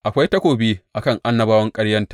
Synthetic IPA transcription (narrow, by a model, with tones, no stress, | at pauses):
ʔa˨kʷa˦jtɐ˦kʷoː˨biː˦ʔa˨kɐ˦˨ŋʔa˦nːɐ˦baː˦wɐ˦ŋkʼɐ˦ɽjɐ˦ntḁː˨